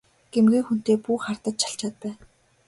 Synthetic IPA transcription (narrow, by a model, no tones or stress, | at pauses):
ɡ̥emɡiːxun̥t̪eːpuːχart̪ə̆t̪ʃʰḁɬt͡ɕaːt̪̚pæːn